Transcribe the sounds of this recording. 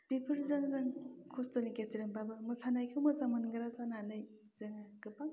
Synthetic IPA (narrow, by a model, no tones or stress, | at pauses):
bipʰɯɾzɯŋzɯŋkʰostoniketiɾɯŋbabɯmɯsʰanajkʰɯwmɯsamɯnɡɯɾasananɯj | z̥ɯŋaɡɯpaŋ